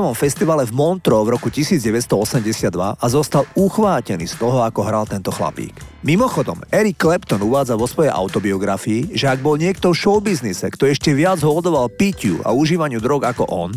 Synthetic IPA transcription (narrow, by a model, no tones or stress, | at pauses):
ʋɔmfɛst̪iʋalɛvmɔnt̪ɾɔvɾɔkucisiːd͡zɟɛʋɛst̪ɔɔsɛmɟɛsɪad̪ːʋa̰ʔazɔst̪aluxʋaːcɛnḭːst̪ɔɦɔakɔɦɾalt̪ɛnt̪ɔxla̰pḭːkmimɔxɔd̪ɔ̰mɛɾikːlɛpt̪ɔnuʋaːd͡zaʋɔsʋɔjɛjʔa̰ʊt̪ɔbiɔɡɾafiːʒɛaɡ̚bɔlɲɪɛk̚t̪ɔfʃɔʊbiznisɛkt̪ɔɛʃcɛʋɪad͡zɦɔld̪ɔʋalpicɪṵa̰uʒiːʋaɲɪud̪ɾɔɡakɔ̰ʔɔn